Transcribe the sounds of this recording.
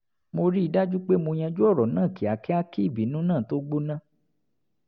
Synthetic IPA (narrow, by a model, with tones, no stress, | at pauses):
mo˧ɾi˦i˧da˦d͡ʒu˦k͡pe˦mo˧j̃ã˧d͡ʒu˦ɔ˦˨ɾɔ˨nãː˦˨ki˨a˨˦ki˦a˦ki˦˨bi˨˦nũ˦nãː˦˨to˦ɡ͡bo˦nã˦˨